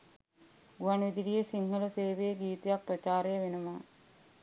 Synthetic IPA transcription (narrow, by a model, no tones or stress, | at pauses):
ɡuanʋid̪iɖijesiŋɦələseːʋejeɡiːt̪ejak̚prɐt͡ʃaːɾejəʋenuma